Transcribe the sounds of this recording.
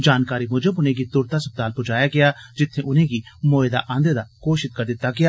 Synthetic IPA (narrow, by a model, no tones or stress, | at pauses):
d͡ʒaːnkaːɾiːmʊd͡ʒəbʊnẽːɡiːt̪ʊɾt̪aːsəb̚d̪aːlpʊd͡ʒaːjaːɡɪaːd͡ʒɪt̪ʰːẽːʔʊnẽːɡiːmoːed̪a̰ːʔãːnd̪ed̪aːkoːʃɪt̪kəɾd̪ɪt̪ːaːɡɪjaː